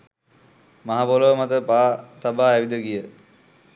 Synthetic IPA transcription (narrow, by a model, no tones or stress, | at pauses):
maɦapoləʋəmat̪əpaːt̪abaːæʋid̪əɡijə